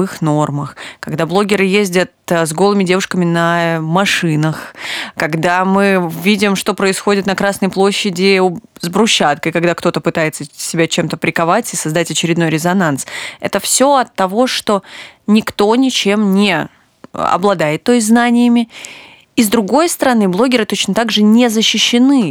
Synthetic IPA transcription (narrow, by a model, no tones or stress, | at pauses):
ɨxno̞rməxkɐɡd̪ablˠo̞ɡʲɪɾɨjezʲdʲət̪zɡolˠɨmʲɪdʲe̞vʊʂkəmʲɪnəmɐʂɨnəxkɐɡd̪amɨvʲidʲɪmʂt̪o̞pɾəɪsxodʲɪt̪nɐkɾasnəjplˠo̞ɕːɪdʲɪzbɾʊɕːat̪̚kəjkɐɡ̚d̪akt̪o̞t̪əpɨt̪ajɪt̪səsʲɪbʲat͡ɕe̞mt̪əpɾʲɪkɐvatʲɪsɐzd̪atʲɐt͡ɕɪɾʲɪd̪no̞jɾʲɪzɐnansɛt̪əfsʲo̞ɐt̪ːɐvo̞ʂt̪o̞nʲɪkt̪o̞nʲɪt͡ɕemnʲɪ̰ | ɐ̰blˠɐd̪ajɪt̪ːo̞jznanʲɪjɪmʲɪ | izd̪ɾʊɡo̞jst̪əɾɐnɨblˠo̞ɡʲɪɾɨt̪o̞t͡ɕnət̪aɡʐɨnʲezəɕːɪɕːɪnɨ